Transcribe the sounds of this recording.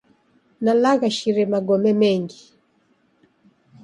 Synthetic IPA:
nalaɣaʃiɾɛmaɡɔmɛmɛŋɡi

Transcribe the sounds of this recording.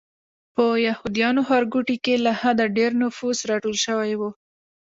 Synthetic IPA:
pəjahud̪ijɑnohaɾɡuʈikelahad̪aɖeɾnʊfuzɾɑʈolʃəwajwu

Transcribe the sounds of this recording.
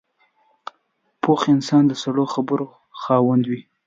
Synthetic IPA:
pʰoxɪnsɑnd̪əsaɽoxabəɾo | xɑwand̪wi

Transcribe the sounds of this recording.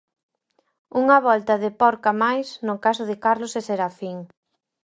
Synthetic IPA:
uŋɐβɔlt̪ɐðɪpɔɾkamajsnʊkasʊðɪkaɾloseseɾafiŋ

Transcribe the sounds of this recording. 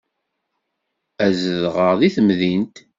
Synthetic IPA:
æzəðʁəʁðiθəmðint̪

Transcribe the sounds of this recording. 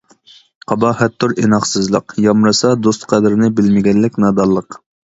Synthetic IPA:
qʰɑbɑhɛt̪ʰːʊɾinɑχsɨzlˠəqjɑmɾɨsɑd̪ost̪qʰæd̪ɪɾɪnɪbɪlmɪɡʲɛnːɪkʲnɑd̪ɑlˠːəq

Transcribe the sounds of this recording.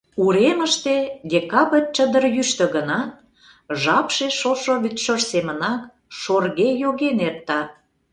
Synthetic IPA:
uɾeməʃt̪ed̪ʲekɑβərʲt͡ɕəd̪ərjyʃt̪ə̆ɣənɑt̪̚ | ʒɑpʃeʃoʃoβyt̪ʃorsemənɑk | ʃorɣejoɣenert̪ːɑ

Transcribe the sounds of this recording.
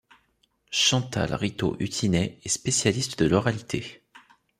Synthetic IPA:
ʃɑ̃t̪a̰lʁit̪o̰ʔyt̪ʰinɛɛspesjalist̪d̪əlɔʁalit̪ʰe

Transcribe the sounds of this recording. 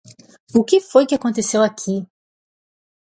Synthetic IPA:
ʊkɪfojkɪakõnt̪esewakʰi

